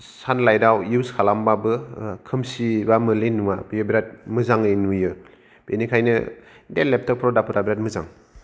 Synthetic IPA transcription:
sanlajdawjuwskʰalambabɯkʰɯmsibamɯlenuwabijɯbiɾat̚mɯzaŋɯjnujɯ | b̥enikʰajnɯ̰ | delːep̚tʰɯk̚pʰɾɔdapʰɯtabiɾat̚mɯza̰ŋ

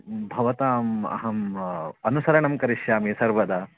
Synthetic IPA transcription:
bʱɐʋɐt̪aːmɐ̰ɦɐmɐnusɐɾɐɳɐmkɐɾiʃjaːmiːsɐɾʋɐd̪ɐ

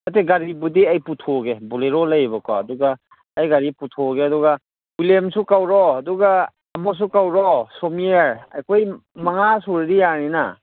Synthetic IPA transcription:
mɐteɡaɾibudiajputʰoɡebuleɾɔlɐjbɔkɔ̰ɐduɡaː | jɡaɾiputʰoɡeɐduɡɐ | wilemsukawɾɔːduɡaː | mɔs̬ukawɾɔsomieɾa̰jkʰojmɐŋasuɾiɾijanina

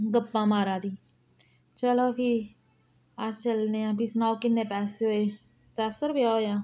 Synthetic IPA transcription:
ɡəbːãːmaːɾãːd̪iː | t͡ʃəloːkʰi | at͡ʃəlneãːpisnaːkɪnːeːpɛːseɦoːeː | t͡ʃaːsoɾʊpjaːoːjãː

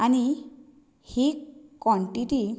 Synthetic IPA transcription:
ani | hikwɔɳʈiʈi

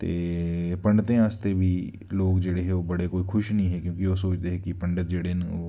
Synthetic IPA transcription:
t̪eːpɐ̃ɳɖət̪ẽaːst̪ebʱiː | loːɡd͡ʒeːɽeɦɛoːbɐɽekoːixʰʊʃnəɦĩɦɛkjõːkiʋoːs̬oːt͡ʃt̪eɦɛkipɐ̃ɳɖət̪̚d͡ʒeːɽenoː

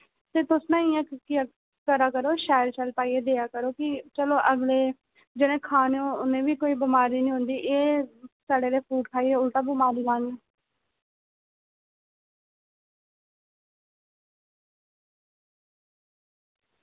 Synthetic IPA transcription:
t̪eːt̪ʊsnãːiːãːki | kəɾaːkəɾoːʃaːəɾt͡ʃəlpaːiːeːd̪eːaːkəɾoːkɪt͡ʃəloːʔəɡleː | d͡ʒɪɽẽːkʰaːneoːʊnẽːʋiːkoːiːbəmaːɾiːnĩːɦʊ̃nd̪iːʔeːsaːɖeːleːpʰuːʈkʰaːiːeːʊlʈ̪aːbɪmaːɾiːlãːŋɡ

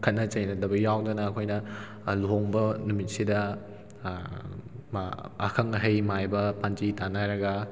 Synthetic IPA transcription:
kʰɐt̚nɐt͡ʃɐjnɐdɐbɐjawdɐnɐːkʰojnɐ | luɦoŋbɐnumit̚sidɐ | mɐ̰kʰɐŋɐɦɐjmajbɐpand͡ʒitanaɾɐɡɐ

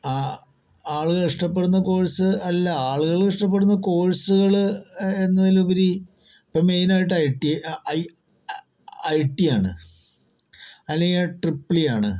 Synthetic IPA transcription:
aː | aːɭuɣɐiʂʈɐpːe̞ɽunːɐko̞ːɻɐsɨɐlːɐaːɭuɣɐɭkiʂʈɐp̬ːeɽunːɐko̞ːɻsuɣɐɭenːɐðilupɐɾi | pːɐmːe̞jnaːjiʈ̬ːɐjʈːiɐj | ɐjʈːijaːɳɨ | ɐlːeŋɡilʈripːilijaːɳɨ

